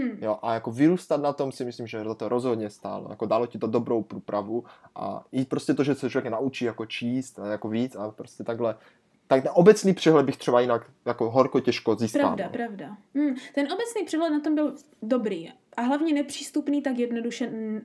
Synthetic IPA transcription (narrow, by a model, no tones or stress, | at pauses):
m̩joʔajakovɪɾuːst̪at̪nat̪o̞msɪmɪslimʒɛzat̪oɾʔozɦod̪ɲɛst̪a̰ːlo̰ja̰kodaːlocɪt̪odobɾowpɾuːpɾavuʔa̰jit̪̚pɾoscɛt̪oʒɛsɛt͡ʃovjɛknaʔut͡ʃiːjakot͡ʃiːst̪jakoviːt͡sapɾoscɛt̪aɡɦlɛ | t̪akt̪ɛnʔobɛt͡sniːpr̥ɛɦlɛd̪bɪxt̪r̥ɛbajinak | jakoɦoɾkocɛʃkoziːspɾaav̰ldalpɾavdam̩t̪ɛnʔo̞bɛt͡sniːpr̥ɛɦlɛt̪nat̪o̞mbɪl | dobɾiː | ʔaɦlavɲɛnɛpr̥iːst̪upniːt̪akjɛdnoduʃɛ